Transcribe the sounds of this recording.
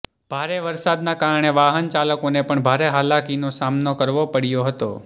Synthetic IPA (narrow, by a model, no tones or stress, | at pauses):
b̥ʱaɾeʋəɾsad̪nakaɾəɳeʋaɦənt͡ʃaləkonepəɳbʱaɾeɦalakinosamnokəɾʋopəɽjoɦət̪o̰